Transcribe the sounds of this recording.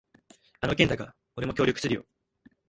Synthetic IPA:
ano̞k̬ʲend̪aɡa | o̞ɾe̞mo̞kʲo̞ːɾʲjo̞kɯ̟sɨɾijo̞̰

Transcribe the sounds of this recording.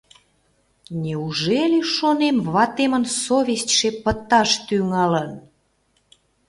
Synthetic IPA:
nʲeuʒeleʃonemβɑt̪emənsoβʲestʲʃepət̪ːɑʃt̪yŋɑlən

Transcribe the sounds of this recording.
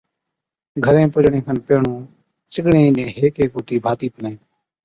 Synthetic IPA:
ɡʱəɾẽːpʊd͡ʒɳẽːkʰənpeːɳũː | sɪɠɳẽːnẽːɦeːkeːkoːt̪iːbʱaːt̪iːpəlẽː

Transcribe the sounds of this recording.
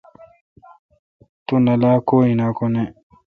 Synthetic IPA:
t̪unɐlaːkoːinakone

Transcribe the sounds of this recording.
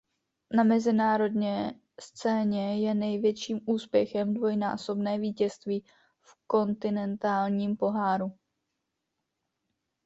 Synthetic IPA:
namɛzɪnaːɾo̞dɲɛ | st͡sɛːɲɛjɛnɛjvjɛt͡ʃiːmuːspjɛxɛmdvo̞jna̰ːso̞bnɛːviːcɛst̪viː | fko̞nt̪ɪnɛnt̪aːlɲiːmpo̞ɦaːɾu

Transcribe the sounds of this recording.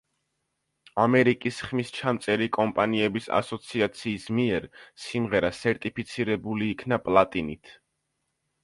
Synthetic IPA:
amɛɾikʼisχmist͡ʃʰamt̪sʼɛɾikʼɔmpʼaniɛbisa̰sɔt̪sʰiat̪sʰiːsmiɛɾsimʁɛɾasɛɾt̪ʼipʰit̪sʰiɾɛbuliːkʰnapʼlˠat̪ʼinit̪ʰ

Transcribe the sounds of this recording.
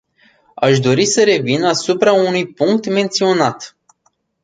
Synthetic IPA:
aʃd̪o̞ɾisəɾe̞vinasupɾaunujpuŋk̚t̪me̞nt̪sio̞nat̪

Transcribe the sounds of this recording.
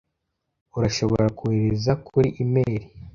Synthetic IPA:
uɾaʃo̞βo̞̰ɾakuheɾezakʰuɾiʔimeːɾi

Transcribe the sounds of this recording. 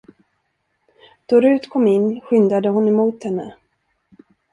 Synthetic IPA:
d̪̥ɔɾʉ̟ːt̪kʰɔmːɪnːɧʏnd̪ɾad̪əɦʊnɛmuːt̪hɛnːə̰

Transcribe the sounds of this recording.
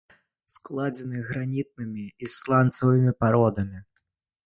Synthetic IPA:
sklˠad͡zʲɛnɨɣɾanʲit̪̚nɨmʲiislˠant̪sɐvɨmʲipaɾɔd̪ɐmʲi

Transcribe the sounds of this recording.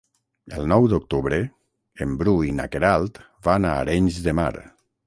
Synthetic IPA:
ə̰lˠnɔwd̪ok̚t̪uβɾe | embɾuina̰keɾalˠt̪ | vana̰ːɾɛɲzðema̰ɾ

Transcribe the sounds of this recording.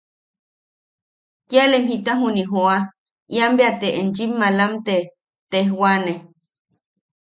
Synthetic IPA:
kjalemɦit̪aɦuniɦoa | iambeat̪eʔend͡ʒimːalamt̪e | t̪ehwane

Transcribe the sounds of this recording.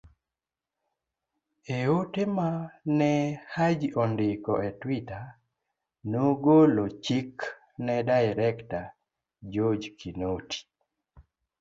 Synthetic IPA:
eotemanɛhad͡ʒɔndɪkɔʔetwita | noɡolot͡ʃik | nɛdajɾɛkta | d͡ʒod͡ʒkʰinotʰi̥

